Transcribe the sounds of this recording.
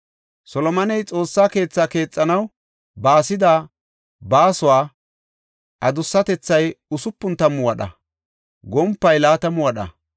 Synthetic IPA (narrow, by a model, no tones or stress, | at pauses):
sɔlɔmɐnɛjt͡sʼo̞ːsːaːke̞ːt͡sːaːke̞ːt͡sʼːɐnɐw | baːsɪd̪a | baːsʊwaː | ʔɐd̪ʊsːɐt̪ɛt͡sːɐjʊsʊpːʊnt̪ɐmʊwɐɗɐ̰ | ɡɔmpːɐjlaːt̪ɐmʊwɐɗɐ̰